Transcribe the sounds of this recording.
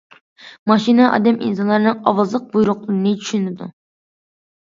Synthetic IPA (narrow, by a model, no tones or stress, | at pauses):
mɑʃinɨʔɑ̰d̪ɛmʔḭnsɑnlˠɑɾɨnɨŋɑwɑzɨlˠəq̚bujuɾʊqlˠɨɾɨnɨt͡ʃʰy̥ʃynɪd̪ṵ